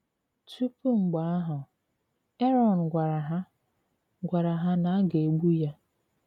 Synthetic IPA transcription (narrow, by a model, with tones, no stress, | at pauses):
tu˦pu˦ŋ͡m̩˨ɡ͡ba˨a˦ɦʊ˨ | e˦ɾɔ˨n˨ɡʷa˨ɾa˨ɦa˦ | ɡʷa˨ɾa˨ɦa˦na˨a˦ɡe˨ɡ͡bu˦ja˦